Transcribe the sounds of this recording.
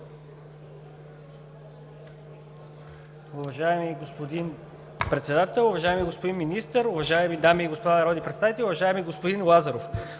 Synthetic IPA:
ʊvɐʒaɛmiɡospod̪in | pɾɛt̪sɛd̪at̪ɛlˠʊvɐʒaɛmiɡospod̪inminist̪əɾʊvɐʒaɛmid̪amiːɡospod̪anɐɾɔd̪ʲipɾɛt̪sait̪ɛʊvɐʒaɛmiɡospod̪inlˠazɐɾof

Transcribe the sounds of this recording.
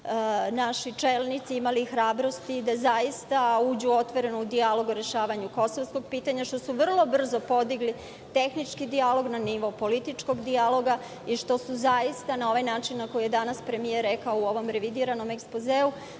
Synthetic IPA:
naʃit͡ʃelˠnit̪siimalixɾaːbɾo̞st̪id̪azajist̪auːd͡ʑuo̞t̪ʋo̞ɾe̞noud̪ialo̞ɡoɾe̞ʃaːʋaɲuko̞soʋsko̞ɡ̚piːt̪aɲaʃt̪o̞suʋr̩lˠo̞br̩zo̞po̞d̪iɡli | t̪e̞xnit͡ʃkid̪ialo̞ɡnaniʋopo̞lit̪it͡ʃko̞ɡd̪ialˠo̞ɡa | iʃt̪o̞suzajist̪anao̞ʋajnaːt͡ʃinːako̞jije̞d̪anaspɾe̞mijeɾːekaouo̞ʋo̞mɾe̞ʋid̪iɾano̞me̞kspozeːu

